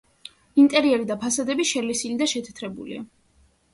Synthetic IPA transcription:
int̪ʼɛɾiɛɾid̪apʰasad̪ɛbiʃɛlisilid̪aʃɛt̪ʰɛ̥t̪ʰɾɛbṵlḭa̰

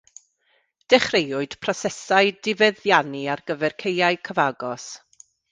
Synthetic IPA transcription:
d̥ɛχrejʊɨd̥pʰrɔsɛsaɨdɪvɛðjaniarɡ̥əvɛrkʰejaɨkʰəvaɡɔs

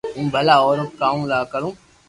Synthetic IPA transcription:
ũːbʱɐlaɔːɾok̚kaːũːlaːkɐɾũː

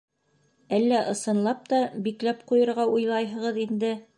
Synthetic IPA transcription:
ælːæʔɤ̆sɤ̆nlˠɑp̚t̪ɑbiklæpqujɤ̆ɾʁɑujlˠɑjɦɤ̆ʁɤðind̪ɘ

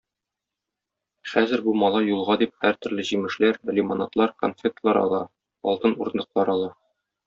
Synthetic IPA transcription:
χæzɘɾbumɒlˠɑjulˠʁɑd̪ip̚hæɾt̪ɵ̆ɾlɘʑimɘ̆ʃlæɾlʲɪmonat̪lˠɑɾko̰nfʲek̚t̪lˠɑɾɒ̰lˠɑ | ɒ̰lˠt̪ɤnuɾɤ̆nd̪ɤ̆qlˠɑɾɒlˠɑ

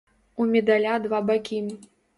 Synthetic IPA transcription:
umʲɛd̪alʲad̪vabakʲi

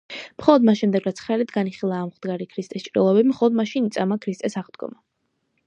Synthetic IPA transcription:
mχɔlˠɔd̪masʃɛmd̪ɛɡɾat̪sʰχɛlit̪ɡaniχilˠaːmʁd̪ɡaɾikʰɾist̪ʼɛst͡ʃʼɾḭlˠɔbɛbimχɔlˠɔd̪maʃinit̪sʼamakʰɾist̪ʼɛsaʁd̪ɡɔ̰ma

